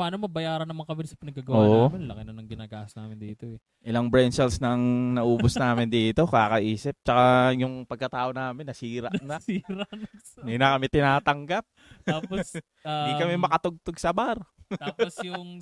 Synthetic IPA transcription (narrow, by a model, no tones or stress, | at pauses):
paːnomɐbɐjaːɾɐnːɐmaŋkɐmɪsɐpɪnɐɡːaːɡɐwoaːʔmɪnlɐkɪnɐnɐŋɡɪnaːɡaːhɐsnaːmɪnd̪iːt̪oɛ | ʔɪlaŋbɹɛnsɛlsnɐŋnɐʔuːbosnaːmɪnd̪iːt̪o̞kakɐʔiːsɪp̚t͡ʃɐkajʊŋpɐɡ̚kɐt̪aːʔonaːmɪnːɐsiːɾɐʔnɐsiːɾɐn | ninɐkɐmɛt̪ɪnaːt̪ɐŋɡap̚ | aːpos | dd̪ikɐmɛmɐkɐt̪oɡ̚t̪oɡsɐbaɾt̪aːposjʊŋ